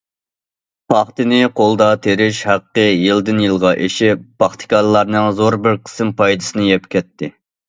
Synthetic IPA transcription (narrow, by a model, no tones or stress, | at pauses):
pʰɑχt̪ɨnɪqʰolˠd̪ɑt̪ʰeɾɪʃhæqːəjild̪ɨnjilˠʁɑʔeʃɪpːɑχt̪ʰɨ̥kʰɑllːɑɾnɨŋzoɾbɪɾqʰə̥sɨmpʰɑjd̪ɨsɨnɪjɛpkʲɛt̪ʰːɪ